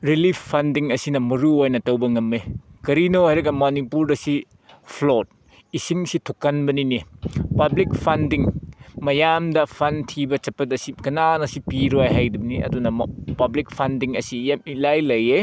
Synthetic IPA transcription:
ɾilipʰpʰːɐndiŋɐsinɐmɐɾuojnɐtɐwbɐŋɐmːekɐɾinohajɾɐɡɐmonipuɾdɐsi | pʰlot̚ | isiŋsitʰokːɐnbɐninipɐblik̚pʰɐndiŋmɐjamdɐpʰɐntʰibɐt͡ʃɐpːɐtɐsikɐnanɐsipiɾojɦajdumniɐ̰dunɐpɐblik̚pʰɐndiŋɐsijamilajlɐje

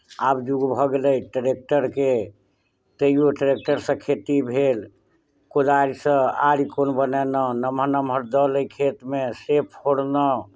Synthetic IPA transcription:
abd͡ʒuɡbʱɔɡeləjʈəɾek̚ʈəɾke | t̪əioʈɾek̚ʈəɾsə̃kʰet̪ibʱel | kod̪aɾisə̃a̰ɾikonbənɛnənəməɾnəməɾd̪ələjkʰet̪mesepʰoɽnə

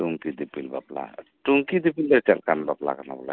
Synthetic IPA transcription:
uŋkid̪ipilbapla̰tuŋkid̪ipilbaɾt͡ʃalkanbapla̰kanabɔla̰

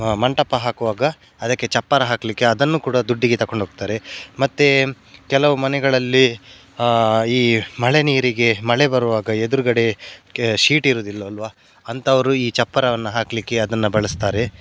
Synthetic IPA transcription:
mɐɳʈɐpːɐɦaːkuʋaːɡɐ | ɐd̪ɐkːe̞t͡ʃɐpːɐɾɐɦaːkɐlikːe̞ɐd̪ɐnːuːkuːɽɐd̪uɖːiɡet̪ɐko̞ɳɖʱoːɡ̚t̪aːɾe̞mɐt̪ːe | kɛlɐʋumɐnɛɡɐɭɐlːi | iːmɐɭe̞niːɾiɡe̞mɐɭe̞bɐɾuʋaːɡɐed̪uɾuɡɐɽe̞ | ʃiːʈiɾoːd̪ilːɐːlʋa | ɐnt̪ʰɐʋɐɾuiːt͡ʃɐpːɐɾɐʋɐnːɐɦaːkɐlikːe̞ɐd̪ɐnːɐbɐɭɐst̪aːɾe̞

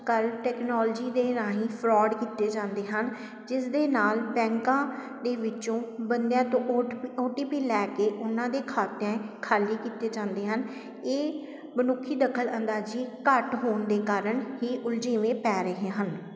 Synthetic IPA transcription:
kəlʈɛːknɔːld͡ʒiːd̪eːɾaːɦĩːpʰɾɔːɖkiːt̪eːd͡ʒãːnd̪eːɦən | d͡ʒɪsd̪eːnaːlpɛ̃ːŋkãː | d̪eːʋɪt͡ʃõːbənd̪jãːt̪õːoːʈiːpiːlɛːkeːʔʊnãːd̪eːkʰaːt̪jãːkʰaːliːkiːt̪eːd͡ʒãːnd̪eːɦən | eː | mənʊkʰːiːd̪əkʰːələnd̪aːd͡ʒiːkəʈɦoːɳd̪eːkaːɾəɳhiːʔʊld͡ʒeːʋẽːpɛːɾəɦẽːɦən

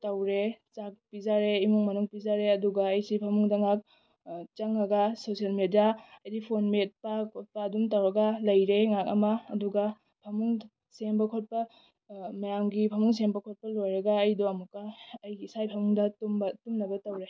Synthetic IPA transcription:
tɐwɾet͡ʃak̚pizaɾeimuŋmɐnuŋpizaɾeɐduɡɐːjsipʰɐmuŋdɐŋak̚ | t͡ʃɐŋːɐɡɐsosijalmedijaɐjdipʰonmet̚pakʰot̚pɐːdumtɐwɾɐɡɐlɐjɾeŋak̚ɐ̰mɐːduɡɐ | pʰɐmuŋ | sembɐkʰot̚pɐ | mɐjaŋɡipʰɐmuŋs̬embɐkʰot̚pɐlojɾɐɡɐːjdoɐmukːɐːjɡisajpʰɐmuŋdɐtumbɐtumnɐbɐtɐwɾe

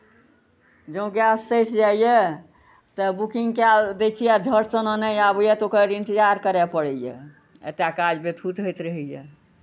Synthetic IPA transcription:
d͡ʒõɡjasːəjʈʰd͡ʒaijɛ | t̪əbukĩŋɡkɛld̪et͡ʃʰijɛd̪ʱəɾsənənəjabəjɛt̪okəɾĩnt̪id͡ʒaɾkəɾɛpəɽɛjɛ̰ | ə̰t̪akad͡ʒbet̪ʰut̪ɦojt̪ɾəɦɛjɛ

